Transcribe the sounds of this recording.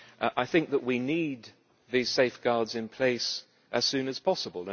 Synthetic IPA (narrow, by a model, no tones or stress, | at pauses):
ʔaɪθɪ̃ŋk̚ðəʔwinid̪̚ | ðiz̥seɪfɡ̥ɑɹdzɨ̃npʰl̥eɪs | ʔɨz̥sʉ̃nɨz̥pʰɑsəbəlˠə̃